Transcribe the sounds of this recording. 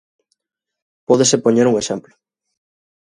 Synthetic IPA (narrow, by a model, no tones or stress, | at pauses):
poðesepoɲeɾuŋeʃemplo